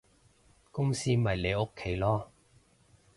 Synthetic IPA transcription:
kʊ˥ŋsiː˥mɐ˨jle˨˧ʊ˥kʰːe˨˥jlɔː˥

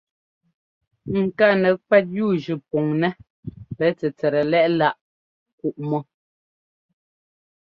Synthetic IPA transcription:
ŋ̩˨ka˦˨nɛ˨kwɛ˦t̬̚juː˦˨d͡ʒʉ˨pɔ˨ŋnɛ˦ | pɛ˨˦t͡sɛ˨t͡sɛ˨ɾɛ˨lɛ˦ʔla˦˨ʔ | ku˦˨ʔmɔ˦

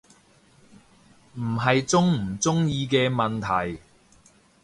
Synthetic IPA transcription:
m̩˨˩ɦɐ˨jt͡sʊ˥ŋm̩˨˩t͡sʊ˥ŋjiː˧kɛː˧mɐ˨nt̪ʰɐ˨˩j

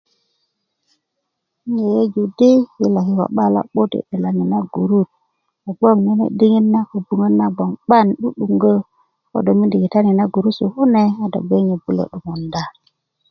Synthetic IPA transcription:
i˦ŋe˨je˦d͡ʒu˨di˦ji˦la˨ki˦wa̰˨ɓa˦la̰˦ɓo˦tḭ˨ɗe˨la˨ni˨na˦ɡu˨ɾu˦˨t̚ | a˨ɡ͡bo˦˨ŋni˦nḛ˨di˦ŋi˦nna˦ko˨bu˨ŋə˦nːa˦ɡ͡bo˨ŋɓa˦˨nɗu˦ɗu˨ŋɡə˦ | ko̰˦do˨mi˦ndi˨ki˨ta˦ni˨na˦ɡu˨ɾu˦su˨hu˦ne˦a˨do̰˨ɡ͡be˦ŋi˨bu˦lo̰˨ɗu˨mo˨nda˦

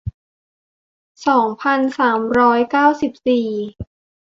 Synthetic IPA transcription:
sɔː˩˦ŋpʰa˧nsaː˩˦mɾɔː˦˥jkaː˥˩wsi˨˩p̚siː˨˩

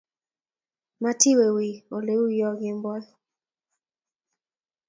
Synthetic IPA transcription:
ma˦tʰɪ˦we˨wi˨o˨le˦u˦jɔ˦ɡɪ˦mbɔ˦l

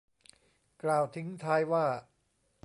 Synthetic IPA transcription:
klaː˨˩wt̪ʰi˦ŋt̪ʰaː˧jwaː˥˩

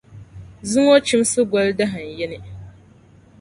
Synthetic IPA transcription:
zɨ˦ŋo˦t͡ʃi˦msɨ˦ɡʷa˦lda˦ɦa˨n̩˨jɛ˦nɪ˦

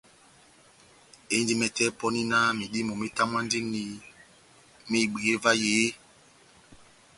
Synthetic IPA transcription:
e˨˦ndi˦mɛ˨tɛ˦pɔ˦ni˦na˦mi˨ɗi˦mo˨mi˦ta˦mwa˦n˦di˦ni˨ | mi˦˨ɡ͡be˨e˦va˦je˨˦

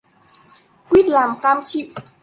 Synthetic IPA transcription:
kwi˦˥˩t̪̚laː˨˩˦mk̪aː˧mt͡ɕʰi˧˨w̚

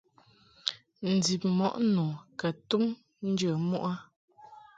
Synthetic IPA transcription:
n̩˨d͡zi˨p̚mɔ˨ʔnu˨ka˨tu˦m | n̩˦d͡ʒə˨mu˦ʔa˦

